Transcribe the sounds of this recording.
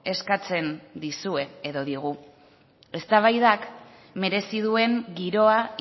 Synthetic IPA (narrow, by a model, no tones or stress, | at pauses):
e̞skat͡se̞nd̪isue̞eðo̞ðiɣ̞u | e̞st̪aβ̞ajðak | me̞ɾe̞sið̞ue̞ŋɡiɾo̞a